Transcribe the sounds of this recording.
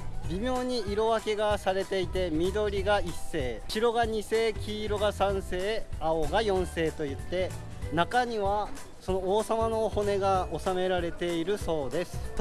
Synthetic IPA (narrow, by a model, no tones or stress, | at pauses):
bʲimʲjo̞ːɲ̟iiɾo̞βake̞ɡasaɾe̞t̪e̞it̪e̞mʲid̪o̞ɾʲiɡaisːe̞ːɕiɾo̞ɡaɲ̟ise̞ːkʲʰiːɾo̞ɡasãɰ̃se̞ːaoɡajõ̞ɰ̃se̞ːt̪o̞jɯt̪ːe̞ | nakaɲ̟iβa | so̞no̞oːsamano̞ho̞ne̞ɡaosame̞ɾaɾe̞t̪e̞iɾɯ̟so̞ːd̪e̞sɨ̥